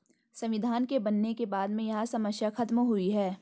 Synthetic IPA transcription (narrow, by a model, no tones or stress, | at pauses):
sɐ̃mʋɪd̪ʱaːnkebɐnːekebaːd̪mẽjɐɦãsɐməsjaxɐt̪mɦʊiɦɛː